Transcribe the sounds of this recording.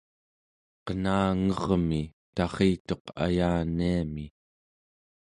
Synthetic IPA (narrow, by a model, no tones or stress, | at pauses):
qənaːŋʌʁmi | t̪ɑʁiːt̪o̞qa̰jaːniami